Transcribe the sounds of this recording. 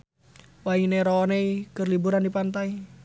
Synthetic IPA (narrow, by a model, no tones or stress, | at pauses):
waiŋneɾoːnekərlibuɾandipant̪ai